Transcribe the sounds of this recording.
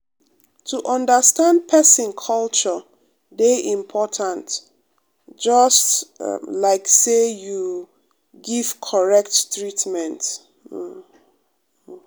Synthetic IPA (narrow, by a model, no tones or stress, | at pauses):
tʰuʔɔ̃ndəstãnd̚pʰɛsĩnkʰɔlt͡ʃɔ | deʔĩmpʰɔtʰãnt | d͡ʒɔstlaɪkseju | ɡiv̥kʰɔɹɛk̚ttɹitmɛ̃nt̩